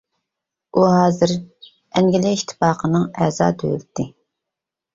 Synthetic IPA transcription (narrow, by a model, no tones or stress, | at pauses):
uɦɑːzɨɾ | ɛŋɡʲɪlɪiʃt̪ʰːɪ̥pɑːqʰənɨŋɛːzɑ̰ːd̪ʰø̰ylt̪ʰːɪ